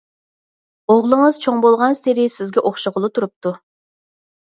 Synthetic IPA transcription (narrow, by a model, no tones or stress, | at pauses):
oʁlˠəŋɨz̥t͡ʃʰoŋbolˠʁɑnseɾɪsɪzɡʲɛʔoχʃəʁəlˠɨt̪ʰuɾup̚t̪u